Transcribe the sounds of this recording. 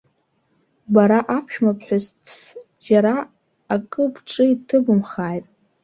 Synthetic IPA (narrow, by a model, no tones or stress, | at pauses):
baɾaʔapʰʃᶣmapʰħʷᶣaztʰs | d͡ʒaɾa | akʼɨbʰʈ͡ʂʼɨitʰɨbɨmχaːjtʼ